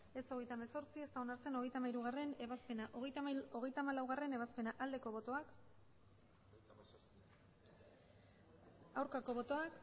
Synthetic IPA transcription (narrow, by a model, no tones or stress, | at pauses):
e̞so̞ɣe̞jt̪ameso̞ɾt͡sie̞st̪ao̞naɾt͡se̞no̞ɣ̞e̞jt̪amajɾuɣ̞are̞ne̞βaspe̞naʔo̞ɣ̞e̞jt̪amajloɣ̞e̞jt̪amalawɣ̞are̞ne̞β̞aspe̞naʔald̪e̞ko̞β̞o̞t̪o̞ak | awɾkako̞β̞o̞t̪o̞ak